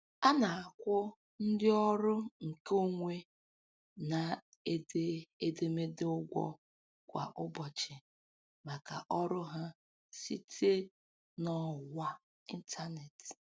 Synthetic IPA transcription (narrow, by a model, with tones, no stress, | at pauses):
a˦na˨a˨kʷʊ˦ | n̩˦dɪ˦ɔ˦ɾʊ˦ŋ̩˨ko˦ŋʷe˦ | na˨ | e˦de˦e˦de˦me˦de˦ʊ˦ɡʷɔ̰˦ | kʷa̰˨ʔʊ˦bɔ˨t͡ʃɪ˨ | ma˨ka˨ʔɔ˦ɾʊ˦ɦa˦ | si˦tʰe˦ | nɔ˦˨wa˦ | i˦n̩˦tʰa˦ne˨t